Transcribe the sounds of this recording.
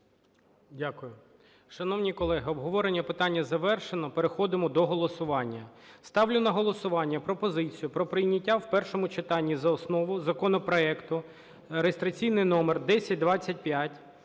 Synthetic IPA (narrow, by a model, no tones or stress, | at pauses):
dʲakʊjʊ | ʃɐnɔwnʲikɔlˠɛɦɪɔbɦɔʋɔɾenʲːɐpɪt̪ɑnʲːɐzɐʋɛrʃenɔpeɾexɔd̪ɪmɔd̪ɔɦɔlˠɔsʊʋɑnʲːɐst̪ɑwlʲʊnɐɦɔlˠɔsʊʋɑnʲːɐpɾɔpɔzɪt͡sʲijʊpɾɔpɾɪjnʲɐtʲːawpɛrʃɔmʊt͡ʃɪt̪ɑnʲːizɐɔsnɔʋʊzɐkɔnɔpɾɔɛkt̪ʊ | ɾest̪ɾɐt͡sʲijnɪjnɔmerd̪ɛsʲɐt̚ʲd̪ʋɑt͡sʲːɐt̚ʲpʲjatʲ